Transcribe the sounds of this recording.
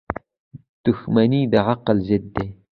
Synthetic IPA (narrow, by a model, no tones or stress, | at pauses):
d̪̥ʊxmaniːd̪aʕɑqːɑld͡ʒɪd̪ːe